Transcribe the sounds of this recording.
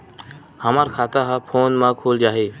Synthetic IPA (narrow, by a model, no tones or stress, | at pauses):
həmaːɾkʰaːt̪aɦapʰoːnmãkʰoːld͡ʒaːɦeː